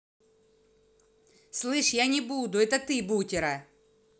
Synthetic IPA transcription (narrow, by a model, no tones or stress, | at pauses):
slˠɨʂjanʲɪbud̪ʊɛt̪ɐt̪ɪbutʲɪɾɐ